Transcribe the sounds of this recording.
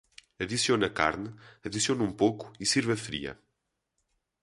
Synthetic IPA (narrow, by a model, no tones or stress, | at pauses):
ɐðisionɐka̰ɾnɨɐðisionũmpowku̥isiɾβɐfɾḭɐ̰